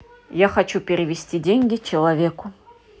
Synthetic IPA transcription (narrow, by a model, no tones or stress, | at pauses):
jaxɐt͡ɕupʲɪɾʲɪvʲɪsʲtʲidʲenʲɡʲɪt͡ɕɪlˠɐvʲekʊ